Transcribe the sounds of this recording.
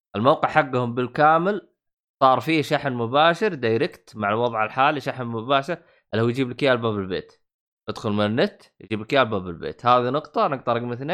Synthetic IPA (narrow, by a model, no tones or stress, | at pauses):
ʔalmowqɪʕħaɡːhʊmbɪlkaːmɪl | sˤɑːɾˤfiːʃaħnmʊbaːʃɪɾd̪ajɾɪkt̪maʕalwɑðˤʕalħaːliʃaħnmʊbaːʃɪɾ | alːahwjd͡ʒiːblkjaːlbabɪlbḛːt̪ | ʔɪd̪xʊlmɪnɪnːɪt̪ | jd͡ʒiːblkjaːlbabɪlbḛːt̪haːðinʊqt̪ˤɑnɪɡ̚t̪ɑɾˤɪɡmɪθneː